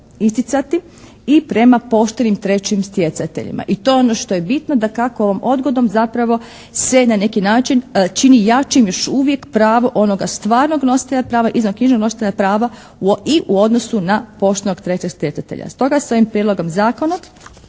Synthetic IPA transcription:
ist̪it̪sat̪i | ipɾe̞mapo̞ʃt̪e̞nimt̪ɾe̞t͡ɕimst̪je̞t̪sat̪ḛʎḭma̰ʔit̪o̞jeono̞ʃt̪o̞je̞bit̪no̞d̪akakoo̞ʋomo̞d̪ɡo̞d̪o̞mzapɾaʋo̞ | se̞nane̞kinaːt͡ʃint͡ʃinijat͡ʃimjo̞ʃuʋjekpɾaːʋoʔo̞no̞ɡast̪ʋaːɾno̞ɡno̞si̥t̪eʎapɾaːʋaʔizokɲiʒnoɡno̞si̥t̪eʎapɾaːʋa | iʔuo̞d̪no̞sunapo̞ʃt̪enoɡt̪ɾe̞t͡ɕeɡst̪ʲje̞t̪sat̪eʎa̰st̪o̞ɡasoʋimpɾiedlo̞ɡomzaːko̞na

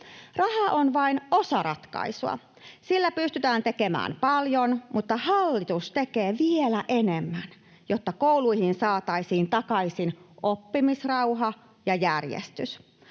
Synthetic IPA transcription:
rɑhɑʔonʋɑinosɑɾɑt̪kɑ̰isuɑ̰ | silːæpyst̪yt̪æːnt̪ekemæ̰ːmpɑljonmut̪ːɑhɑlːit̪ust̪ekeːʋielæʔenemːæn | jot̪ːɑkouluihinsɑːt̪ɑisiːnt̪ɑkɑisinʔopːimisrɑwɦɑ | jɑjærjḛst̪ys

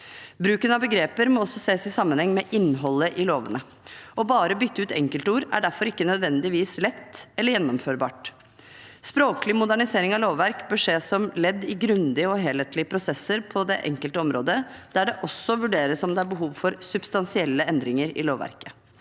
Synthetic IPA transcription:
bɾʉːkənɑbəɡɾeːpəɾmɔɔsːɔseːsɪsɑmːənhɛŋːmɛʔɪnːɦɔlːəʔɪloːʋənə | ɔbɑːɾəbʏt̪ːəʉːt̪ɛŋkəlt̪əuːɾæ̰ɖæɾfɔɾɪkːənœd̪ʋɛnd̪ɪʋiːslɛt̪ːɛlːəɾjɛnːɔmføːɾbɑ̰ːʈ | spɾoːklɪmʊd̪æɳɪseːɾɪŋɑʋloːʋːæɾkbøʂeːsɔmlɛd̪ːɪɡɾʉnd̪ɪəɔɦeːleːt̪lɪəpʰɾʊsɛsəɾpʰɔd̪ɛʔɛ̰ŋkəlt̪əɔmɾo̰ːd̪əd̪̥æɖɛʔɔsːɔʋʉɖeːɾəsɔmd̪ɛæɾbəɦuːʋfɔɾsʉbst̪ɑnsɪɛlːəɛnd̪ɾɪŋəɾɪ̰loːʋːæ̰ɾkə̥

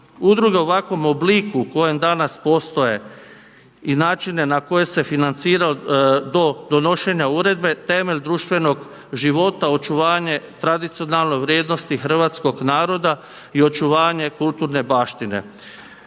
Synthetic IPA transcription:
ud̪ɾuɡe̞uʋakʋo̞mobliːkuko̞jemd̪anaspo̞st̪o̞je̞ | inaːt͡ʃine̞nako̞je̞se̞finant̪siːɾaod̪o̞d̪o̞no̞ʃe̞ɲauːɾe̞d̪̚be̞t̪e̞me̞ʎd̪ɾuːʃt̪ʋe̞no̞ɡ | ʒiʋo̞t̪ao̞t͡ʃuʋaːɲe̞t̪ɾad̪it̪sio̞nalˠno̞jʋɾʲjeːd̪no̞st̪ixr̩ʋat̪sko̞ɡnaːɾo̞d̪a | io̞t͡ʃuʋaːɲe̞kulˠt̪uɾne̞baːʃt̪ine̞̰

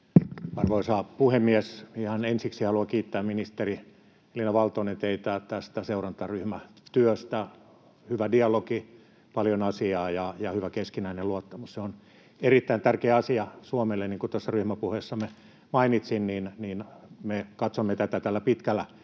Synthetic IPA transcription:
ɑrʋoisɑːpuhemːiɛsihɑnensiksihɑluɑkiːt̪ːæːmminist̪eri | elinɑʋɑlt̪oinent̪eit̪æt̪æst̪æseurɑnt̪ɑryhmæt̪yøst̪æ | hyʋædiɑloki | pɑljonɑsiɑːjɑjɑhyʋækeskinæineluot̪ːɑmusseon | erit̪ːæint̪ærkeæɑsiɑsuomelːeniːŋkut̪osːɑryhmæpuheːsːɑme | mɑinit̪sinniːnniːnmekɑt̪somːet̪æt̪æt̪ælːæpit̪kælːæ

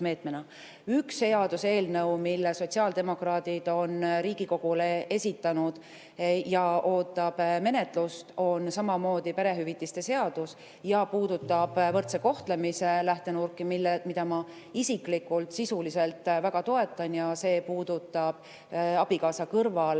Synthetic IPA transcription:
me̞ːt̪menɑ | ykse̞ɑd̪̥use̞ːlnɤwmilːeso̞t̪ʲsiɑːld̪̥e̞mo̞krɑːd̪id̪̥o̞nɾiːɡ̥iko̞ɡ̥ule̞e̞sʲit̪ːɑnud̪̥ | jɑʔo̞ːt̪ˑːɑb̥me̞ne̞t̪ˑlust̪o̞nsɑmɑmo̞ːd̪̥ipeɾe̞ɦyvit̪ːˑist̪e̞se̞ɑd̪̥us | jɑpuːd̪̥ut̪ːˑɑb̥vɤrt̪seko̞ht̪le̞mise̞læht̪e̞nurkːˑimilmid̪ɑmɑ | isiklikːˑult̪sisulise̞lt̪ːˑvæɡɑt̪o̞e̞t̪ːˑɑnjɑse̞ːpuːd̪̥ut̪ˑːɑb̥ | ɑb̥ikɑːsɑkɤrvɑl

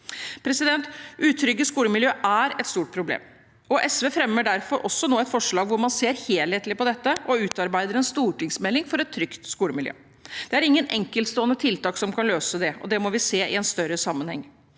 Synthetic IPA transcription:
pʰɾɛsɪd̪ɛnt̪ʉːt̪ʰɾʏɡːəskuːləmɪljøːʔæɾɛt̪st̪uːʈ̚pʰɾʊblḛːm | ɔʔɛsʋeːfɾɛmːəɖæɾfɔɾʔɔsːɔnoːɛt̪fɔʂɭɑːɡʋʊɾmɑnseːɾheːlheːt̪lɪpɔd̪ɛt̪ːəʔɔʉːt̪ɑɾbæɪd̪əɾɛnst̪uːʈɪŋsmɛlːɪŋfɔɾɛt̪ʰːɾʏkt̪skuːləmɪljø̰ː | d̪̥ɛæɾɪŋːənʔɛŋkəlt̪st̪oːənət̪ʰɪlt̪ɑːksɔmkʰɑnløːsəd̪ɛɔ̰d̪ɛmɔʋɪseːʔɪ̰ɛnst̪œɾəsɑmːənhɛ̰ŋː

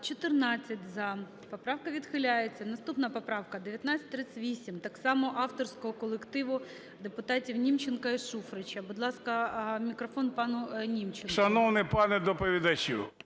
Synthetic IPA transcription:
t͡ʃɔt̪ɪrnɑt͡sʲːɐtʲzɐ | pɔpɾɑwkɐʋʲid̪xɪlʲajet͡sʲːɐnɐst̪upnɐpɔpɾɑwkɐd̪eʋʲjɐt̪nat͡sʲːɐt̪̚ʲːɾɪt͡sʲʋʲisʲimt̪ɑksɑmɔʔɑft̪ɔrsʲkɔɦɔkɔlˠekt̪ɪʋʊ | d̪epʊt̪ɑtʲiwnʲimt͡ʃɪnkɐiʃufɾɪt͡ʃʲɐbʊd̪lˠɑskɐmʲikɾɔfɔnpɑnʊnʲimt͡ʃenʃɐnɔwnɪpɑnɛd̪ɔpɔʋʲid̪ɐt͡ʃʲṵ

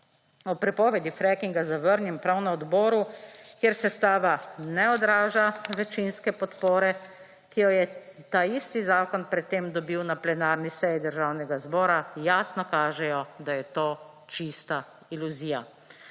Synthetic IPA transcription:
ɔpɾɛpɔʋɛd̪ifɾɛkiŋɡazaʋəɾnjɛmpɾawnaɔd̪bɔːɾukjeɾsɛst̪aːʋanɛɔd̪ɾaːʒaʋɛt͡ʃinskɛpɔt̪poːɾɛ | kijɔjɛt̪aist̪izaːkɔnpɾɛt̪ːeːmd̪ɔbiwnaplɛnaːɾnisɛjid̪əɾʒaːwnɛɡazbɔːɾajaːsnɔkaːʒɛjɔd̪ajɛt̪oː | t͡ʃist̪a | iluziːja

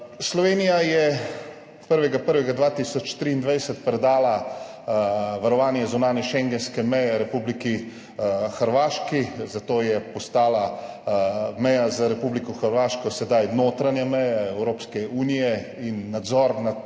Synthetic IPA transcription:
slɔʋeːnijajɛ | pəɾʋɛɡapəɾʋɛɡad̪ʋaːt̪isɔt͡ʃt̪ɾiːnd̪ʋajɛsɛt̪pɾɛd̪aːla | ʋaɾɔʋaːnjɛzunaːnjɛʃɛŋɡɛnskɛmɛjɛɾɛpubliki | xəɾʋaːʃkizat̪oːjɛpɔst̪aːla | mɛjazaɾɛpublikɔxəɾʋaːʃkɔsɛd̪ajnoːt̪ɾanjamɛjaɛwɾoːpskɛuːnijɛ | inːad̪zɔːɾna

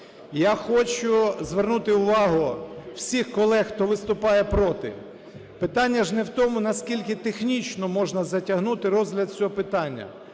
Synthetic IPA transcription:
jaxɔt͡ʃʊzʋernut̪ɪʊʋɑɦʊw̥sʲixkɔlˠɛxt̪ɔʋɪst̪ʊpɑjɛpɾɔt̪ɪ̰ | pɪt̪ɑnʲːɐʒnɛwt̪ɔmʊnɐskʲilʲkɪt̪exnʲit͡ʃnɔmɔʒnɐzɐtʲɐɦnut̪ɪɾɔzʲɦlʲɐd̪̚t͡sʲɔɦɔpɪt̪ɑnʲːɐ̰

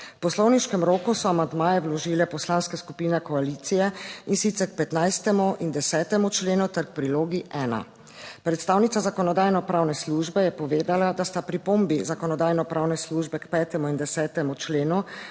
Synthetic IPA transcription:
pɔslɔwniʃkɛmɾoːkusɔamand̪maːjɛwlɔʒiːlɛpɔslanskɛskupiːnɛkɔaliːt̪sijɛinsit̪sɛɾk̚pɛt̪najst̪ɛmuʔind̪ɛsɛːt̪ɛmut͡ʃleːnut̪ɛɾk̚pɾiloːɡiʔɛːna̰ | pɾɛt̪st̪aːwnit̪sazakɔnɔd̪aːjnɔpɾawnɛsluːʒbɛjɛpɔʋeːd̪alad̪ast̪apɾipombizakɔnɔd̪aːjnɔpɾʔawnɛsluːʒbɛkpɛːt̪ɛmuind̪ɛsɛːt̪ɛmut͡ʃleːnu

